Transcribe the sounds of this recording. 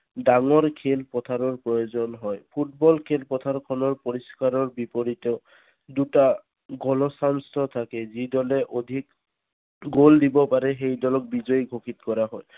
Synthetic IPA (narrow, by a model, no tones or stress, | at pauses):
daŋɔɹkʰelpɔt̪ʰaɹɔɹpɹɔjozɔnɦɔjpʰut̚bɔlkʰelpɔtʰaɹkʰɔnɔɹpɔɹiskaɹɔɹbipɔɹitɔ | duta | ɡɔlɔsanstʰɔt̪ʰakɛzidɔlɛʔod̪ʱik | ɡoldibɔpaɹɛxejdɔlɔk̚bizɔjɡʱokʰitkɔɹaɦɔj